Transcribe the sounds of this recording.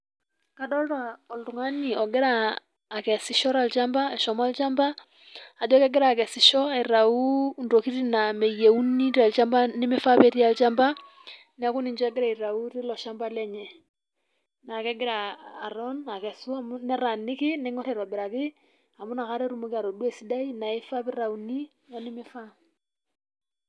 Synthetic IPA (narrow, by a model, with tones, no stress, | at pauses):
ka˨dɔ˦lɾa˨ɔ˨ltu˨ŋa˦ni˨ɔ˨ɡɪ˦ɾaː˦˨ | kɛ˨sɪ˦ʃɔ˦ɾa˨lt͡ʃa˦mba˦ɛ˨ʃɔ˨ma˦lt͡ʃa˦mbaː˦˨ | d͡ʒɔ˦kɛ˦ɡɪ˦ɾa˨kɛ˨sɪ˨ʃɔ˦aɪ˨ɾa˨u˦ndo˨ki˦ɾina˨mɛ˨je˨u˦ni˦ɾa˨lt͡ʃa˦mba˦nɪ˦mɪ˦fa˦pe˦ɾi˦a˨lt͡ʃa˦mba˦ | nɪ˦a˦kʊ˦nɪ˨nd͡ʒɔ˦ɛ˦ɡɪ˦ɾa˨i˨ɾa˨u˦rɪ˦lɔ˨ʃa˦mba˦lɛ˦ɲɛ˨ | na˨kɛ˦ɡɪ˦ɾaː˨ɾɔ˦na˨kɛ˨su˦a˨mu˦nɛ˦ɾa˨nːɪ˦kɪ˦nɛ˦ŋɔ˦ɾɛ˨ɾɔ˨bɪ˨ɾa˨kɪ˦ | a˨mu˦na˨ka˦ɾɛ˦ɾu˦mɔ˦kɪ˦a˨ɾɔ˨dwɛ˨si˦da˦i˦na˨ɪ˦fa˦pɪ˦ɾa˨u˨ni˦ | nɔ˦nɪ˦mɪ˦fa˦